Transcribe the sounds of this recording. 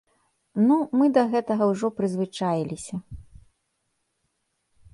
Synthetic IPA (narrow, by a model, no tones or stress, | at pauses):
numɨd̪ɐɣɛt̪ɐɣɐwʐɔpɾɨzvɨt͡ʂajilʲisʲɐ